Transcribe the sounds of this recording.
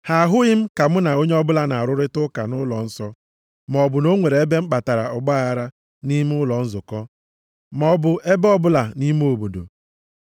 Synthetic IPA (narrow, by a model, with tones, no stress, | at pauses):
ha˨ɦʊ˦ɣɪ˦m̩˦ka˨m̩˦na˨o˦ɲ˦ɔ˦bʊ˦la˦na˨a˨ɾʊ˦ɾɪ˦tʊ˦ka˨nʊ˦lɔ˨n̩˦sɔ˦ | m˨ɔ˨bʊ˨no˦ŋʷe˨ɾe˨e˦be˦m̩˦k͡pa˨ta˨ɾa˨ɔ˨ɡ͡ba˦ɣa˨ɾa˦ | ni˦m˦ʊ˦lɔ˨n̩˦zʊ˨kɔ˦ | mɔ˨bʊ˨e˦bɔ˦bʊ˦la˨ni˦m˦o˨bo˨do̰˨